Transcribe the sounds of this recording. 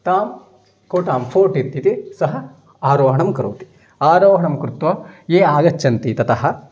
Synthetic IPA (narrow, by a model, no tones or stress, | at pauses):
t̪aːm | koːʈaːmpʰoːɾʈit̪ːit̪isɐɦɐ | aːɾoːɦɐɳɐmkɐɾṵːt̪i̥ | aːɾoːɦɐɳɐmkɾut̪ʋɐjeːaːɡɐt͡ʃːt͡ʃːɐnt̪it̪ɐt̪ɐɦɐ̆